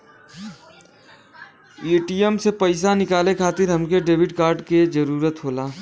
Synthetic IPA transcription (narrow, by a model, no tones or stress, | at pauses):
eːʈiːemsepɐɪsanɪkaːlekʰaːt̪ɪɾɦɐmkeɖeːʋɪɖkaːɾɖked͡ʒəɾuːɾət̪ɦoːlaː